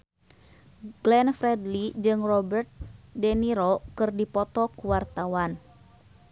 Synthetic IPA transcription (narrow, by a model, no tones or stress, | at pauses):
ɡ̥lɛnfɾɛdlid͡ʒɨŋrɔbɛrt̪̚dɛniɾɔkɨrdipɔt̪ɔkuwart̪awan